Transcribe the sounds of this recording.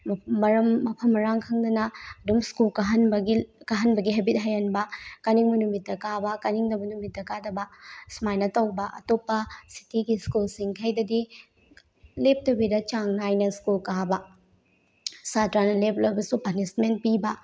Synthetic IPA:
ɐɾɐmːɐpʰɐmːɐɾaŋkʰɐŋdɐnɐɐdumskulkɐɦɐnbɐɡikaɦɐnbɐɡiɦɐbit̚ɦajɐnbɐkɐniŋmɐnumitːɐkabɐkɐniŋdɐbɐnumit̚ːɐkadɐbɐsmajnɐtɐwbɐʔɐ̰topːɐsi̥tiɡiskulsiŋkʰɐjdɐdi | lep̚tɐbidɐt͡ʃaŋnajnɐskulkabɐ | satɾanɐlep̚lɐbɐsupɐnisment̚pibɐ

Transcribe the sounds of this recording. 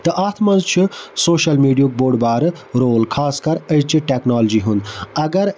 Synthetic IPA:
t̪ɐʔaːt̪ʰmɐnzt͡ʃʰisoːʃɐlmiːɖijuk̚boːɖbaːɾɨɾoːlkʰaːskɐɾɐjt͡ʃʰiʈeknaːld͡ʒiɦund̪ɐɡɐɾ

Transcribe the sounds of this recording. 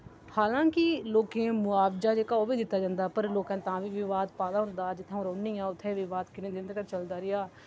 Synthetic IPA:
haːlãːkɪloːkẽːmʊaːʋd͡ʒaːd͡ʒeːkaːoːʋiːd̪ɪt̪ːaːd͡ʒãːnd̪aːpəɾloːkɛ̃ːt̪ãːʋiːʋɪʋaːd̪paːd̪aːɦʊ̃nd̪aːd͡ʒɪt̪ʰːãːɾoːniːãːʊt̪ʰːeːʋɪʋaːd̪kɪnẽːd̪ɪnd̪kəɾt͡ʃəld̪aːɾɪaː

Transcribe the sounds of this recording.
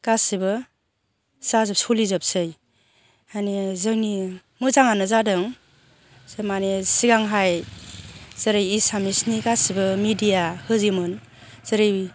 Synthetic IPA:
ɡ̥asibɯ | z̥azɯp̚solizɯp̚sɯj | anezɯŋni | mɯzaŋanɯzadɯŋ | z̥ɯmanesiɡaŋɦaj | z̥ɯɾɯjisamisniɡasibɯmidijahɯzimɯn | z̥ɯɾɯj

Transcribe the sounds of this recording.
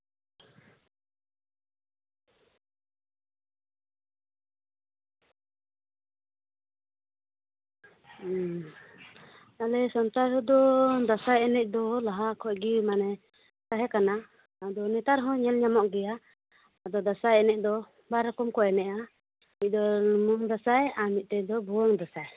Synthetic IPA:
alɛsɔnt̪aɾɦɔd̪ɔd̪asajɛnɛc̚ˀd̪ɔlaɦakʰɔʔɡimanɛ | k̪aɦɛkana | ad̪ɔnɛt̪aɾɦɔ̃ɲɛlɲamɔʔɡɛjaː | d̪ɔd̪asajɛnɛc̚ˀd̪ɔ | baɾɔkɔmkɔjɛnɛʔa | mit̪c̚ˀd̪ɔlumɔŋd̪asajamit̪̚ˀt̪ɛd̪ɔbuwɔŋd̪asaj

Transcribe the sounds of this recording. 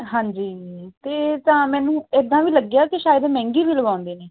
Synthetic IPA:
ɦãːɲd͡ʒiːt̪eːt̪ãːmɛːnũːɪd̪ãːʋiːləɡjaːkɪʃaːjəd̪mɛ̃ːŋɡiːʋiːləɡãːnd̪eːneː

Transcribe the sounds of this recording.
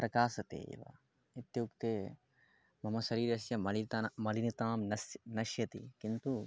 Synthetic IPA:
pɾɐkaːsɐt̪ḛːʋɐ̰ | it̪juːkt̪eː | mɐmɐsɐɾiːɾɐsjɐmɐlit̪mɐlinit̪aːmnɐsnɐʃjɐt̪ḭkint̪u

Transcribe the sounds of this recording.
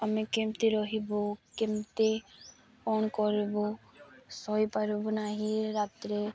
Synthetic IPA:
əmekemt̪iɾɔɦibokɪmt̪e | ɔːnkɔɾibosɔipəɾibonaːɦiɾaːt̪ɾe

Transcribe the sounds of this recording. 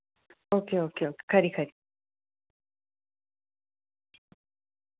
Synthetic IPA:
okeokeokkaɾikaɾi

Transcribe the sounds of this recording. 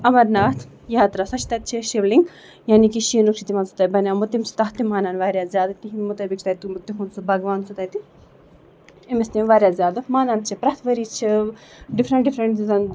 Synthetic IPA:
ɐmɐɾnaːt̪ʰ | jaːt̪ɾasɐt͡ʃʰi̥t̪ɐt̪̚t͡ʃʰiʃiʋliŋɡ | jaːnikiʃinukʂit̪imaːnsu̥t̪ajbɐnʲamut̪ːimsu̥t̪ɐɦt̪imaːnaːnʋaːɾʲjaːzʲjaːd̪ɨt̪iɦimmut̪ɐbik̚t͡ʃʰt̪ɐt̪ːimut̪ːiɦunsubʱɐɡʋaːnsut̪ɐːjt̪i | emist̪imʋaːɾjaːzʲjaːd̪ɨmaːnaːnt͡ʃʰipɾɐt̪ʰʋɐɾiːt͡ʃʰiɖifɾɐɳʈɖifɾɐɳʈ̪izɐn

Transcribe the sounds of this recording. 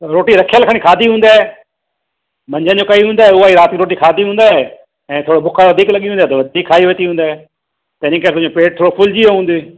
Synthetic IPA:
ɾoːʈiɾɐkʰijəlkʰəɽ̃ikʰaːd̪ʱiɦũːnd̪aːe | mɐ̃ɲd͡ʑʱə̃nd͡ʑokɐiɦũːnd̪aːɦeʊaːiɾaːt̪kiɾoːʈikʰaːd̪ʱiɦũːnd̪aːɦe | ɛ̃ːt̪ʰoːɽobʱʊkʰaʋɐd̪ʱiːklɐɠiɦũnd̪aːt̪ɐʋɐd̪ʱiːkʰːaːiʋeːt̪iɦũːnd̪aːe | t̪ɐɦɪnĩkɐɾt̪ʊɦɪ̃ɲd͡ʑopeːʈ̚t̪ʰoːɽopʰʊld͡ʑioɦũːnd̪e

